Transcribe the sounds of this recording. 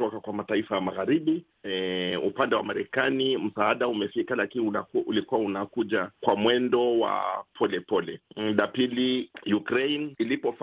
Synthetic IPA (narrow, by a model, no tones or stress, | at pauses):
ɔkakwamataifajamaɣaɾiɓi | ɛupandɛwa̰maɾɛkanim̩saaɗaumɛfikalakiniaʔulikuwaunakuʄakwamwɛndɔwa̰pʰɔlɛpɔlɛɗapilijukɾejnilipɔf